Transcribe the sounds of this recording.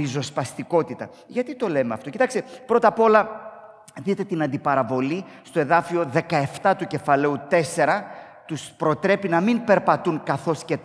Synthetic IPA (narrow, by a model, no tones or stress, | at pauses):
izo̞spɐst̪iko̞t̪it̪ɐ | ʝɐt̪it̪o̞le̞meɐft̪o̞cit̪ɐkst̪epɾo̞t̪ɐpo̞lɐ | ðit̪e̞t̪inɐnd̪ipɐɾɐvo̞li | st̪o̞e̞ðɐfio̞ðe̞kɐe̞ft̪ɐt̪uce̞fɐle̞ut̪e̞se̞ɾɐ | t̪uspɾo̞t̪ɾe̞pinɐminpe̞ɾpɐt̪uŋkɐθo̞sce̞